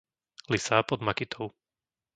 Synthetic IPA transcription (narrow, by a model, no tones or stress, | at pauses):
lisaːpɔd̪makit̪ʰɔʊ